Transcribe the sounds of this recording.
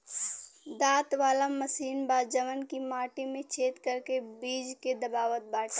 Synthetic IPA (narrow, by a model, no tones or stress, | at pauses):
d̪aːt̪ʋaːlaməsiːnbaːd͡ʒəmənkimaːʈimẽt͡ʃʰeːt̪kəɾkebiːd͡ʒked̪ɐbaːʋət̪̚baːʈʰ